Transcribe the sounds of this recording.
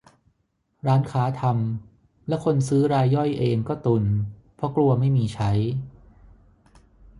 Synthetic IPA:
ɾaː˦˥nkʰaː˩˦˥t̪ʰa˧m | lɛ˦˥kʰo˧nsɯː˦˥ɾaː˧jːɔ˥˩jʔeː˧ŋkɔː˥˩t̪u˧˩npʰɾɔ˦˥klu˧ɐma˥˩jmiː˧t͡ɕʰa˦˥j

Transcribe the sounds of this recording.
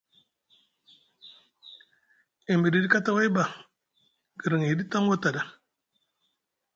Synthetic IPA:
e˨mbi˨di˦di˦ka˦ta˦wa˦i˦ba˨ | ɡ̥ə˨ɾə˨ŋi˨di˦ta˦ŋwo˦ta˨da˨

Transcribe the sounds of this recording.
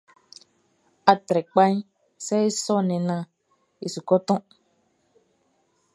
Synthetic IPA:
a˨tɾɛ˨k͡pã˦ɲ˦ | sɛ˦e˦sɔ˦nɛ̃˨nã˨ | e˨su˨kɔ˦tɔ̃˦

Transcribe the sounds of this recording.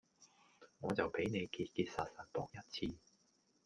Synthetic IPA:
ŋɔː˨˧t͡sɐ˨wpe˨˥jne˨˧jkiː˧t̚kiː˧t̚saː˨t̚sɐ˨˩n̚p̪ɔ̰ː˨k̚jɐ˥t̚t͡sʰiː˧

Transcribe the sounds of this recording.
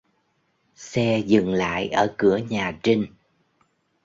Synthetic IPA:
sɛ˧zɨ˨˩ŋla̰ː˧˨jʔəː˧˩kɨ˧˩əɲaː˨˩t͡ɕi˧ŋ

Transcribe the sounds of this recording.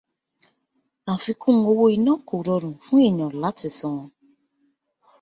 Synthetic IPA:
ã˨fi˧˦kũ˦ŋ˨o˧wo˦i˨nɔ̃˦ko˨ɾɔ˧ɾũ˨fũ˦e˦˨ɲɔ̃˨la˨˦ti˨sɔ̃˧ŋɔ̃˧

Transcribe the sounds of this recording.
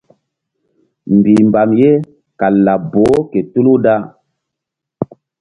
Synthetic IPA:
mbi˨mba˨mje˦ | ka˨lːa˨bo˨˦ke˨tu˦lu˦da˦

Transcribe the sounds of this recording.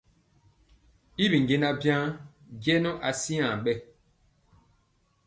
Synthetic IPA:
i˦bi˨ŋɡe˦na˦bjã˦ | ɡɛ˦nɔ˦ʔa˨si˦ã˨ɓɛ˦˨

